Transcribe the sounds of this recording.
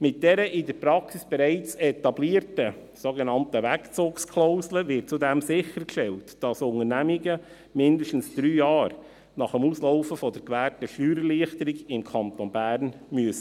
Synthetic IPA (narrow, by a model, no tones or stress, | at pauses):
mɪt̚d̥ɛɾəʔɪdəɾpɾɑksisb̥ɛɾɛɪt͡sɛtɑbliːəɾtəsoɡenɑntəʋækt͡suːkskʰlɔʊsləvɪt̚t͡sudɛmsɪxəɾkʃtɛltd̥ɑsʊŋənæmiɡə | mɪndəʃtn̩sd̥ɾyːjɑːɾ | nɑχəmuːslɔʊfəfɔdəɾkʋæːɾtəʃlyːɾəliəχtəɾiɡɪmkʰɑntonbæːɾnmyəsə